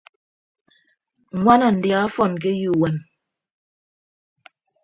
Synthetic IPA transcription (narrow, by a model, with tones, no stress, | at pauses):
ŋwa˦na˨n̩˨di˨a˨˦fɔ˦˨nk̬e˦ju˦˨wɛ˨n